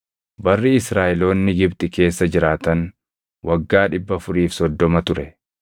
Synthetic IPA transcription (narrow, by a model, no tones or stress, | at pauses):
bɐrːɪɪsɾaːʔɛlo̞ːnːɪɡɪbt̪ʼɪke̞ːsːɐd͡ʒɪɾaːt̪ɐn | wʔɐɡːaːᶑɪbːɐfʊɾiːfsɔd̪ːɔmɐt̪ʊɾɛ